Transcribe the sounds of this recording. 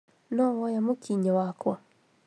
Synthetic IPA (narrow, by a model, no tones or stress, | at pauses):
nɔwɔjamokʰiɲɔwakwɔ